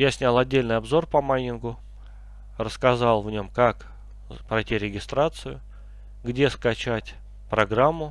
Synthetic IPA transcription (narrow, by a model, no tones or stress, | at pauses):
jasʲnʲalˠɐdʲːelʲnɨɪjɐbzo̞rpɐmajʲɪnɡʊ | rəskɐzalˠvnʲomkak | pɾɐjtʲiɾʲɪɡʲɪst̪ɾat̪sɨjʊ̰ | ɡdʲe̞skɐt͡ɕætʲ | pɾɐɡɾamːʊ